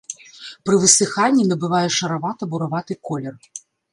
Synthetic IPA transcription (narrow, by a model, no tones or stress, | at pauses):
pɾɨvɨsɨxanʲːinɐbɨvajɛʂɐɾavat̪ɐbuɾavat̪ɨkɔlʲɛr